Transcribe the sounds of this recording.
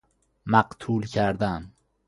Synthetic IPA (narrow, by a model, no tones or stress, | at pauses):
mæqt̪ʰuːlcʰæɾd̪æn